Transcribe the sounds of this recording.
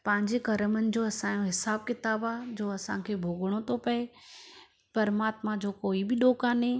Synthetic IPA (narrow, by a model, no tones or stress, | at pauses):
pɐ̃ɦɪ̃ɲd͡ʑekɐɾəmənɪ̆d͡ʑoːɐsãjoɦɪsaːb̚kɪt̪aːbad͡ʑoːɐsãkʰeːbʱoːɡəɽ̃ot̪ʰopɐe | pɐɾmaːt̪mãd͡ʑoːkoːibɪɗoːkaːnɦẽ